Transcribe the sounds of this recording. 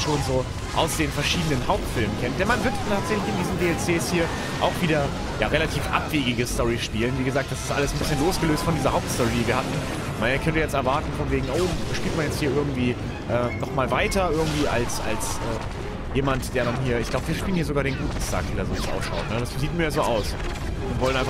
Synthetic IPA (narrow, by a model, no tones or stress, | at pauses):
ʃoːnzoː | ʔa̰ʊsd̥eːnfɛɐʃiːdənənhaʊp̚tfɪlmənkʰɛnt̚d̥ɛnmanvɪɐttʰaːtz̥ɛçlɪçɪndiːzn̩deːɛlt͡seːshiːɐ | ʔa̰ʊxv̥iːdɐ | jaːʁelatʰiːfʔa̰pv̥eːɡɪɡəstɔʁiʃpiːlənviːɡəzaːk̚td̥asɪ̥stʔaləsn̩bɪsçənloːsɡ̥əløːstfɔndiːzɐhaʊptstɔʁidiːviːɐhatn̩ | mankʰœntəjɛt͡stɛɐvaɐtn̩fɔnveːɡŋ̩ʔoʊʃpiːltmanjɛt͡sthiːɐʔɪɐɡŋ̩tv̥iː | ʔɛːnɔχmaːlvaɪtɐʔɪɐɡŋ̩tv̥iːʔa̰lsa̰lsʔɛː | jeːmantd̥eːɐɾanɦiːɐɪçɡ̥laʊbəviɐʃpiːlənhiːɐzoɡaːɐɾeːnɡuːt̩stʰa̰ːk̚v̥iːdaɐzoːasʔa̰ʊfʃa̰ʊtnəd̥asziːtmiɐjazoːʔaʊs | ʔʊntv̥ɔlənʔaɪf